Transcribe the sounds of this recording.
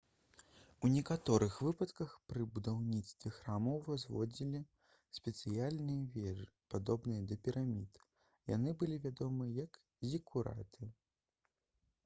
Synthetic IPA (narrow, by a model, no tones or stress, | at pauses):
unʲɛkat̪ɔɾɨxvɨpɐt̪kɐxpɾɨbud̪awnʲit̪st̪vʲɛxɾamɐwvazvɔ̰d͡zʲilʲi | sʲpʲɛt̪sɨjalʲnɨjɐvʲɛʐɨpad̪ɔbnɨjɐd̪ɐpʲɛɾamʲit̪ | ja̰nɨbɨlʲivʲad̪ɔmɨjɐk | zʲikʰuɾa̰t̪ɨ